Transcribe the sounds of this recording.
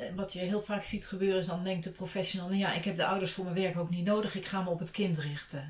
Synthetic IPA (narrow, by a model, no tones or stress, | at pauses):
ʋɑtjəɦɪːlˠfaːksitχəbøːrəɪsdɑndɛŋk̚tdəprofɛʃonəlˠnjaʔɪkɦɛp̚dəʔʌwdəɹsfʊːɹmənʋɛɹkowknitnowdəχɪkχaːməɔpətkɪntrɪχtə